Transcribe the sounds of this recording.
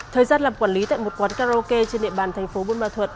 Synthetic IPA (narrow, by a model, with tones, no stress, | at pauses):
t̪ʰəː˨˩jzaː˧nlaː˨˩mkwaː˧˩nli˨˦t̪a̰ː˧˨jmo˨˩t̚kwaː˨˦nkaː˧zo˧ke˧t͡ɕe˧nɗḭ˧ə˨ɓaː˨˩nt̪ʰɛ˨˩ŋ̟fo˨˦ɓu˧nma̰ː˧˩t̪ʰwə˨˩t̚